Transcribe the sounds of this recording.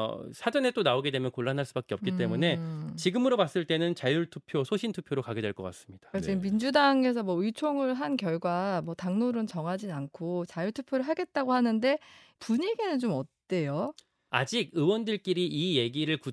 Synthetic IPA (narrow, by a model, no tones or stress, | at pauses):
sʰad͡ʑʌne̞t͈onaoɡe̞dwe̞mjʌnkoɭːanɦaɭs͈ubak͈eʌpk͈it͈e̞mune̞t͡ɕiɡɯmɯɾomas͈ɯɭt͈e̞nɯnt͡ɕajuɭtʰupʰjosʰoɕʰintʰupʰjoɾokaɡe̞dwe̞ɭk͈ʌk͈a̰s͈ɯ̥mɲid̥ḁket͡ɕiɡɯmmːind͡ʑudaŋe̞sʰʌmwʌɯit͡ɕʰoŋɯɭɦankjʌɭɡwamwʌtaŋnoɾɯnt͡ɕʌŋɦad͡ʑinankʰot͡ɕajuɭtʰu̥pʰjoɾɯɭɦaɡe̞t̚t͈aɡohanɯnde̞ | puɲe̞ɡenɯnt͡ɕomʌt̚t͈e̞jo | ad͡ʑiɡɯwʌndɯɭk͈iɾiʔije̞ɡiɾɯɭku